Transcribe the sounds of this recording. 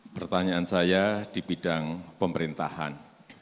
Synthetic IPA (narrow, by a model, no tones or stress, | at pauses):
pərt̪aɲaansajad̥ibidaŋpəməɾint̪aha̰n